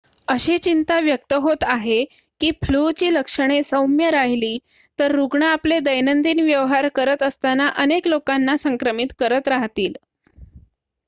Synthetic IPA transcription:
əɕet͡ɕint̪aʋjək̚t̪əɦot̪aɦe | kiːpʰlut͡ɕiːləkʂəɳ̃esəwmjəɾaɦliː | t̪əɾːuɡɳəapled̪əjnənd̪iːnʋjəʋɦaɾkəɾət̪əst̪anaʔəneklokanːasəŋkɾəmit̪kəɾət̪ɾaɦt̪iːl

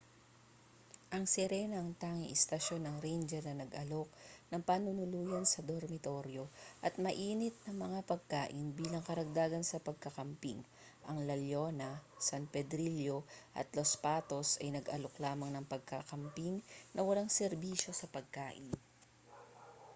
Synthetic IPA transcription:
ʔɐŋsɛɾɛnɐʔɐŋt̪aːŋɪŋʔɛst̪ɐʃo̞nːɐŋɾɛjnd͡ʒɛɾnɐnɐɡʔɐlok̚nɐŋpanʊnʊluːjɐnsɐd̪oɾmɪt̪o̞ɾjo̞ʔɐt̪̚mɐʔiːnɪt̪̚nɐŋmɐŋapɐɡ̚kaːʔɪnbiːlɐŋkɐɾɐɡ̚d̪aːɡɐnsɐpɐɡ̚kɐkɐmpiŋ | ʔɐŋlɐljoːnɐsanpɛd̪ɾiljo̞ʔɐ̰t̪̚lospaːt̪o̞sɐjnɐɡʔɐloklaːmɐŋnɐŋpɐɡ̚kɐkɐmpiŋnʔɐwɐlaŋsɛɾbiːʃo̞sɐpɐɡ̚kaːʔɪn

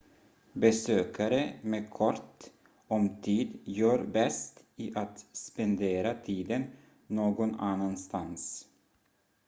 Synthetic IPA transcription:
bɛsøːkʰaɾəmeːkʰɔɾt̪ | ɔmt̪ʰiːd̪jøːɾbɛst̪ | iʔat̪spɛnd̪eːɾat̪ʰiːd̪ənː | oːɡɔnanːanst̪ans

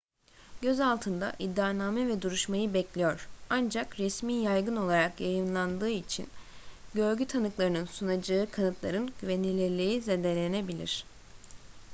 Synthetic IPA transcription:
ɟ̥ø̞zalˠt̪ʰɯnd̪a̰ʔid̪ːaːnaːmɛvɛd̪uɾuʃmajɯbɛclʲijo̞ɾ̥and͡ʒakɾɛsmiːjajɡɯno̞lˠaɾakjajɯnlˠand̪ɯːit͡ʃʰḭnɟøɾɟyt̪ʰanɯklˠaɾɯnɯnsunad͡ʒɯːkʰanɯt̪lˠaɾɯnɟyve̞nilʲiɾlʲiized̪elʲene̞bilʲḭɾ̥

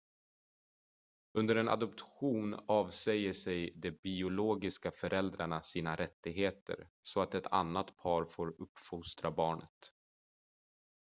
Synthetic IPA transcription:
ɵnd̪əɾɛnʔa̰d̪ɔpt̪ɧuːnɑːvsɛjːəʂɛjd̪ɛbɪʊloːɡɪskafœɾʔɛld̪ɾaɳasiːnaɾɛt̪ːɪɡɦeːt̪ə̰ɾsɔat̪ɛt̪ʰa̰nːat̪pʰɑːɾfoːɾɵpːfʊst̪ɾabɑːɳə̰t̪

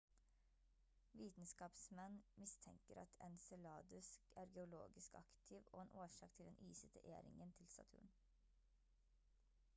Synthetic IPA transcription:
ʋiːt̪n̩skɑːpsmɛnmɪst̪ʰɛ̰ŋkəɾɑt̪ʰɛnsɛlɑːd̪ʉskæɾɡɛʊlo̰ːɡɪskɑkt̪ʰɪʋo̰ːeːnʔoːʃɑːkt̪ʰɪld̪ɛnʔiːsət̪ʰəʔeːɾɪ̰ŋənt̪ʰɪlsɑ̰t̪ʰʉ̰ːɳ

